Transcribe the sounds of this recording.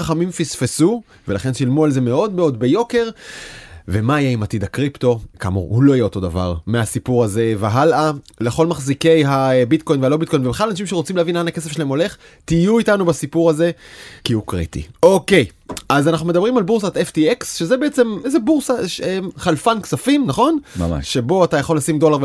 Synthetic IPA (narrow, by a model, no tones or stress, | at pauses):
aχamimfisfesu | ve̞laχe̞nʃilmualzemeo̞dmeo̞dbejo̞ke̞ʁ | ve̞maːjeimatidakʁipto̞ka̰mṵʁulo̞ajeo̞to̞da̰va̰ʁmeasipuʁaze̞veɦalale̞χo̞lmaχzike̞jɦabitko̞jnvealo̞bit̚ko̞jnvebeχalanaʃimʃeʁot͡simleavinlanake̞s̬efʃelahemo̞le̞χ | tijuitanubasipuʁaze̞kiukʁḭtḭo̞ke̞j | ʔazanaχnume̞d̪ɐbʁimalbuʁs̬at̪eftieksʃezebeet͡se̞mezebuʁsaʃeχalfanksafimnaχo̞na̰ʃe̞bo̞atajaχo̞lːasimdo̞laʁv